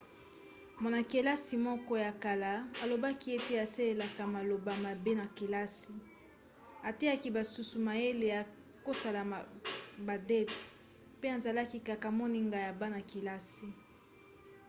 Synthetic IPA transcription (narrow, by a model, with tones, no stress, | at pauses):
ma˨na˨ke˨la˦si˨mɔ˦kɔ˦ja˨ka˨la˨a˨lo˨ba˦ki˦e˦te˦a˨se˦le˨la˨ka˨ma˨lo˨ba˨ma˨be˦na˨ke˨la˦si˨ | a˨te˦a˦ki˦ba˨su˨su˨ma˨e˦le˨a˨ | ko˦sa˨la˨ba˨dɛ˦t | pe˦a˨nza˨la˦ki˦ka˨ka˨mɔ˦ni˦ŋɡa˨ja˨ba˦na˨ke˨la˦si˨